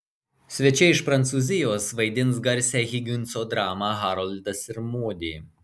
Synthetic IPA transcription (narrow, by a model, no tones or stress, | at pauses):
sʲʋʲɛt͡ʃʲɛɪʃpɾɐnt̪suːzʲɪjoːsʋɐɪd̪ʲɪnˑsɡɐɾʲˑsʲæːɣʲɪɡʲʊnʲˑt̪soːd̪ɾɑːmɑːɣɑːɾɔlʲt̪ɐsɪɾmuɔd̪ʲiː